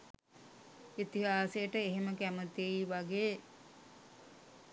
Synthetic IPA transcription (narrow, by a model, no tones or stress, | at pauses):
it̪iɦaːsejəʈəeɦeməkæmət̪iiʋaɡeː